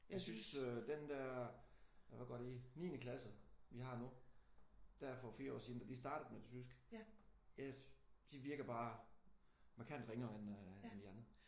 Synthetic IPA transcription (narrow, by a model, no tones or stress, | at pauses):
jasynsød̥end̥æɐ̰ | ʋæɡ̥ɒ̰d̥einḭːnəkʰlæsð̩ˠʋihɑ̈nu | d̥æɐfɒfiːɐɒ̰ːsind̥ɐd̥isd̥ɑ̈ːd̥əð̩ˠmed̥esʰysɡ̥ | jæd̥iʋiɐɡ̥ɐb̥ɑ̈ː | mɑ̈kʰæn̰d̥ʁeŋɒenend̥iɑnd̥ʁɐ